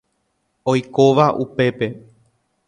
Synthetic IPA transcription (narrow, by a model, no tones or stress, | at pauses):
ojkoʋaʔupe̞pe̞